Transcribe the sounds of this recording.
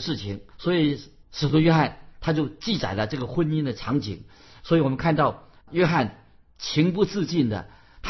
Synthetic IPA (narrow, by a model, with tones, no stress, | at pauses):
ʂɻ̩˥˩t͡ɕʰi˧˩ŋswɔ˧˥i˨˧˥ʂɻ̩˨˩t̪ʰu˥ɥɛ˥xa˥˩nt̪ʰa˥t͡ɕjo˥˧ʊt͡ɕi˥˩t͡sa̰˨˩ɪlə˦ʈ͡ʂɤ˥˩ɡə˩xwə˥˧ni˥nd̪ə˨ʈ͡ʂʰɑ˧˥ŋt͡ɕi˨˩ŋ | swɔ˧˥i˧˩wɔ˨˩mə˦nkʰa˥˧nt̪ɑ˥˩ʊ | ɥɛ˥xa˥˩n | t͡ɕʰi˧˥ŋpu˥t͡sɹ̩˥˧t͡ɕi˥˩nd̪ə̰˩ | t̪ʰ